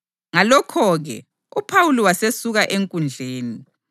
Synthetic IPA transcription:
ŋalɔkʰɔɣɛ̰ | upʰawuliwasesuɣaʔeŋkʼund͡ɮʱeːni

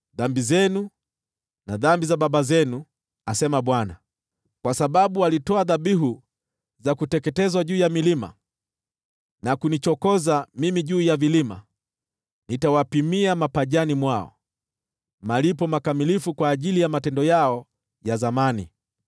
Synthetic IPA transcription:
ðambizɛnu | naðambizaɓaɓazɛnu | asɛmaɓwana̰ | kwasaɓaɓualitɔaðaɓiɦu | zakutɛkɛtɛzwaʄuːjamilima̰ | nakunit͡ʃɔkɔzamimiʄuːjavilima̰ | nitawapimiamapaʄanimwaɔ̰ | malipɔmakamilifukwaːʄilijamatɛndɔjaɔ | jazamanḭ

